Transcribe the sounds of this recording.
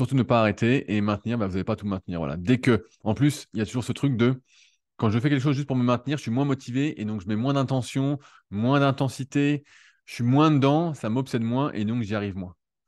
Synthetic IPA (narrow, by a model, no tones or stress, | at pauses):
syʁt̪unəpaːʁet̪ʰeʔemɛ̃t̪niːʁbavuzavepat̪umɛ̃t̪niːʁvwalʔa̰d̪ekə | ɑ̃plysiljat̪uʒuʁsət̪χyk̚d̪ə | kɑ̃ʒəfɛk̬ʲɛlkəʃ̬ozʒyst̪̚puʁməmɛ̃t̪niʁʒə̥sɥimw̃ɛ̃mɔt̪ʰiveʔed̪ɔ̃kʒəmɛmwɛ̃d̪ɛ̃t̪ɑ̃sjɔ̃ | mwɛ̃d̪ɛ̃t̪ɑ̃sit̪e | ʒə̥sɥimwɛ̃d̪əd̪ɑ̃samɔpsɛd̪mwɛ̃ʔḛd̪ɔ̃kʒiaʁivmwɛ̃